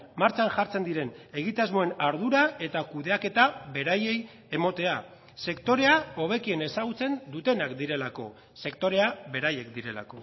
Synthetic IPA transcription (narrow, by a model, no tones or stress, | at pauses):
maɾt͡ʃanʝaɾt͡se̞nd̪iɾe̞ne̞ɣ̞it̪azmo̞e̞naɾðuɾae̞t̪akuðe̞ake̞t̪aβe̞ɾaje̞j | e̞mo̞t̪e̞a | se̞kt̪o̞ɾe̞ao̞β̞e̞kie̞ne̞saɣut͡se̞nd̪ut̪e̞nakd̪iɾe̞lako̞̰ | se̞kt̪o̞ɾe̞aβe̞ɾaje̞kd̪iɾe̞la̰ko̞